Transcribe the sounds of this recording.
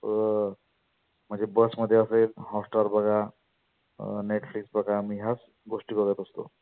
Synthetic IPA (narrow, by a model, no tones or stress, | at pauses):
məd͡ʒebəsmɔd̪ʱjeɔsəjlhɔsʈaɾbaɡa | neʈʰpʰliksbakamiɦas | ɡosʈibʱɔɡet̪ɔst̪o̰